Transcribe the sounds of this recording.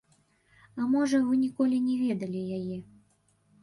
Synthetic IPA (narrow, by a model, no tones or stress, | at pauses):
ɐmɔʐɐvɨnʲikɔlʲinʲɛvʲɛd̪ɐlʲijajɛ